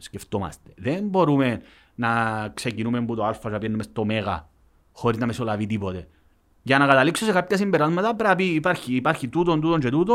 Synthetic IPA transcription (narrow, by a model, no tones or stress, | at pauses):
sceft̪oma̰st̪eðembo̞ɾumen | nɐksecinumembut̪oalfaʃapjenːumest̪omeɣɐ̰ | xoɾiznɐmesolavit̪ipot̪e̞ | ʝɐnakat̪aliksosekapçɐsimbeɾazmɐt̪ɐpɾapiːpaɾçiːpaɾçit̪ut̪ont̪ut̪ont͡ʃe̞t̪ut̪o